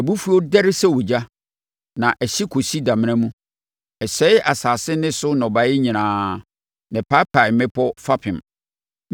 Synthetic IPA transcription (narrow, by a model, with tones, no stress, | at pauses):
æ˨bu˦fu˦ɔ˦dɛ˦ɾɪ˦sɛ˦wo˨d͡ʑa˦ | nã˨ʔɛ˨ɕi˦kʰo˨si˦da˨mɪ̃˦ã˦mũ˦ | ɛ˨ɕɛ˦ɪ˦ʔa˨saː˨sɪ˦nɪ̃˦sʊ˦nɔ˨ba˨˦ɪ˦ɲĩ˨nãː˨ | nɪ̃˨pʰa˦pʰa˨mɪ̃˦pʰɔ˦fa˦pʰɪ̃˨m